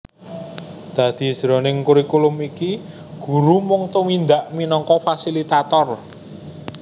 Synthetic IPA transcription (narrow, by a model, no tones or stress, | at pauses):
d̪̥ä̤d̪̥i̤̥z̥ɾɔnɪŋkuɾikulʊmiki | ɡ̥ṳɾumɔŋt̪uwind̪aʔminɔŋkɔfasilit̪at̪ɔr